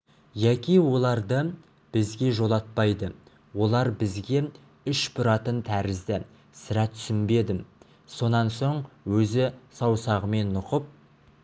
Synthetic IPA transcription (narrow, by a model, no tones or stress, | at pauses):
jækʲijwo̞lˠɑɾd̪ə | b̥ɪzɡʲe̞ʒo̞lˠɑt̪̚pɑjd̪ə | wo̞lˠɑɾbɪzɡʲe̞ | ʏʃpʊɾɑt̪ənt̪ʰæɾɪzd̪ɪ | sɪɾæt̪ʰʏ̥sɪnbe̞d̪ɪm | so̞nɑnso̞ɴwɵzɪsɑwsɑʁəme̞nːʊqəp̚